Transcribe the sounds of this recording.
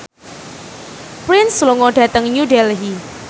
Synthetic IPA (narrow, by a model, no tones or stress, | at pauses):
pɾɪnsluŋɔɖ̥ä̤t̪əŋɲudɛlɦi